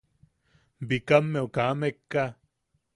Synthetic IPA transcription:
bikamːeokaːmekːa

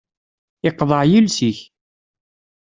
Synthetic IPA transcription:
ɪqðˤəʕjilsiç

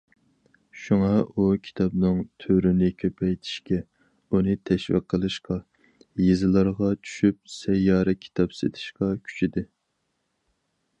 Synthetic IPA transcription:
ʃuŋɑukʲʰi̥t̪ʰɑbnɨŋt̪ʰøɾɪnɪkʲʰøpʰɛjt̪ʰi̥ʃkʲɛ | unɨt̪ʰɛʃwḭqʰːəlˠɨʃqɑ | jezɨlˠɑɾʁɑt͡ʃʰy̥ʃyp̚sɛjːɑːɾɛkʲʰi̥t̪ʰɑpsḛt̪ʰɪ̥ʃqɑkʲʰy̥t͡ʃʰid̪ɪ

